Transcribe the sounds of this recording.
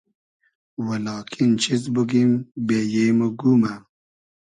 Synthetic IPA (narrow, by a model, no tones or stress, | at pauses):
wəlɑːkʰint͡ʃʰizbuɡimbejeməɡuma